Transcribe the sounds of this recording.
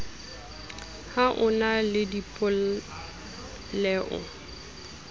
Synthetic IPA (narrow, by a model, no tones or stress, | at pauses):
haʔʊnalɪdipʼʊl | lɛʔʊ̰